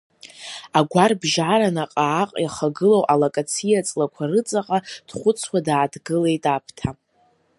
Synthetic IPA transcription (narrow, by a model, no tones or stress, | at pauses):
aɡʷarbʒaɾanaqʼaːqʼjaχaɡɨlowʔalakʼat͡sʰijat͡sʼlakʷʰarɨt͡sʼaqʼad̥χʷʊt͡sʰwadaːdʰɡɨle̞jtʼapʰtʰa